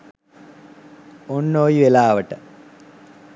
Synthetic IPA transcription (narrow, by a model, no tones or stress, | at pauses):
onːoːjiʋelaːʋəʈə